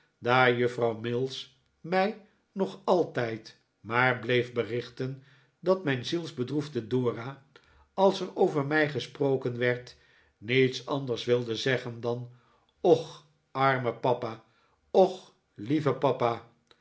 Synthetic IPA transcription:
daːɹjɵfrɑwmɪlˠs | mɛj | nɔχɑlˠtɛjt | maːɹblejfbərɪχtən | dɑtmɛjnzilˠzbədruvdədʊːra | ɑlˠsɛɹowvəɹmɛjχəsprowkənʋɛɹt | nitsɑndəɹsʋɪlˠdəzɛχəndɑn | ɔχ | ʔɑɹməpɑpaː | ɔχ | livəpɑpaː

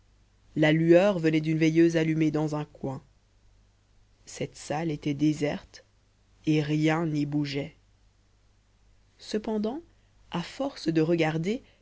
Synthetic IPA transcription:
lalyœʁvənɛd̪ynvɛjøzalymed̪ɑ̃zɛ̃kwɛ̃ | sɛt̪salet̪ɛd̪ezɛʁt̪ | eʁjɛ̃nibuʒɛ | səpɑ̃d̪ɑ̃ | afɔʁsd̪əʁəɡaʁd̪e

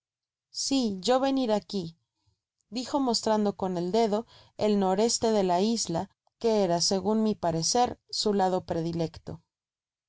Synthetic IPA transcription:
siʝo̞βe̞niɾaki | d̪ixo̞mo̞st̪ɾand̪o̞ko̞ne̞ld̪e̞ð̞o̞ | e̞lno̞ɾe̞st̪e̞ðe̞laizla | ke̞eɾase̞ɣunmipaɾe̞se̞ɾsulað̞o̞pɾe̞ðile̞kt̪o̞̰

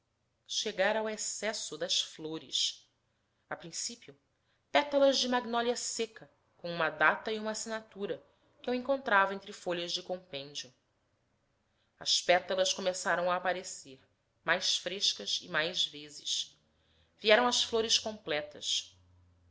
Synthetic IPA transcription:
ʃeɡaɾawesɛsʊd̪ɐsfloɾɪ̰s | apɾĩsipiʊ | pɛt̪ɐlɐzd͡ʒɪmaɡnɔljɐsekɐ | kõũmɐd̪at̪ɐiũmɐasinat̪uɾɐ | kɪewẽŋkõnt̪ɾavɐẽnt̪ɾɪfoʎɐzd͡ʒɪkõmpẽɲd͡ʒiʊ | ɐ̰spɛt̪ɐlɐskomesaɾɐ̃w̃aːpaɾeseɾ | majsfɾeʃkɐsɪ̰majzvezɪʃ | viɛɾɐ̃w̃ɐsfloɾɪskõmplɛt̪ɐ̰s

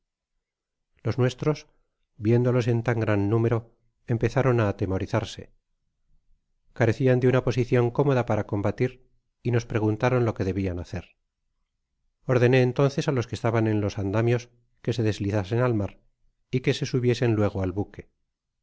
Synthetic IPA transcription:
lo̞znwe̞st̪ɾo̞s | bje̞nd̪o̞lo̞se̞nt̪aŋɡɾanːũmeɾo̞ | empe̞θaɾo̞naːt̪e̞mo̞ɾiθaɾse̞̰ | kaɾe̞θiand̪eunapo̞siθjo̞ŋko̞mo̞ðapaɾako̞mbat̪iɾ | ino̞spɾe̞ɣ̞unt̪aɾo̞nlo̞ke̞ðe̞βianaθe̞ɾ | o̞ɾðe̞ne̞ːnt̪o̞nθe̞salo̞skest̪aβanenlo̞sand̪amjo̞s | ke̞se̞ðe̞zliθase̞nalmaɾ | ike̞se̞suβje̞se̞nlwe̞ɣ̞oalβuke̞

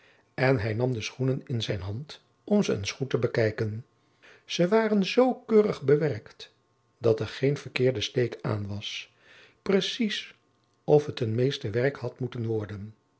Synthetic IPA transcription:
ɛnɦɛjnɑmdəsχunənɪnzɛjnɦɑnt | ɔmzəə̰nsχutəbəkɛjkən | z̥əʋaːrənzowkøːrəχbəʋɛɹkt | dɑtɛɹχejnvəɹkɪːɹdəstejka̰ːnʋɑs | prəsis | ɔfɦətənmejstəʋɛrkhɑtmutənʋɔɹdən

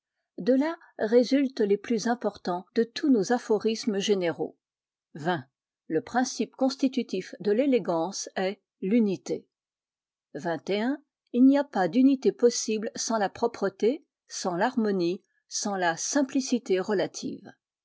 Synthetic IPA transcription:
d̪əla | ʁezylt̪leplyzɛ̃pɔʁt̪ɑ̃d̪̥ət̪ʰunozafɔʁisməʒeneʁo̰ | vɛ̃ | ləpχɛ̃sipkɔ̃st̪it̪yt̪ifd̪əleleɡɑ̃sɛ | lynit̪e | vɛ̃t̪eɛ̃ | ilniapad̪ynit̪epɔsiblsɑ̃lapχɔpχət̪e | sɑ̃laʁmɔni | sɑ̃lasɛ̃plisit̪eʁəlat̪ʰḭːv

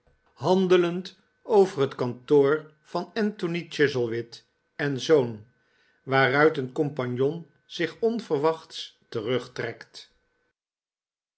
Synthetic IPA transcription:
hɑndələnt | owvərɦətkɑntoːɹ | v̥ɑnɛntonit͡ʃɪzəlˠʋɪt | ɛnzown | ʋaːrœɥtənkɔmpɑɲjɔn | z̥ɪχɔnv̥əɹʋɑχtstərɵχtrɛkt

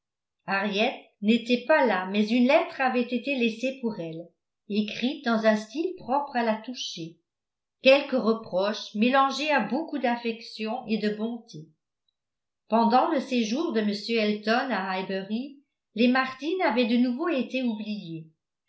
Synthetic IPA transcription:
aʁjɛt̪̚ | net̪ɛpalamɛzynlɛt̪χavɛt̪et̪elɛsepuʁɛl | ekχit̪̚d̪ɑ̃zɛ̃st̪ilpχɔpχalat̪uʃe | kʲɛlkəʁəpχɔʃmelɑ̃ʒeabokud̪afɛksjɔ̃ʔed̪əbɔ̃t̪ʰe | pɑ̃d̪ɑ̃ləseʒuːʁd̪əməsjøɛlt̪ɔnaajbɛʁi | lemaʁt̪inavɛd̪ənuvoet̪eublije

